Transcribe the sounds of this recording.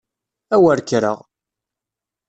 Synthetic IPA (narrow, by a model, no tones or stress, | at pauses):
æwəɾkɾə̰ʁ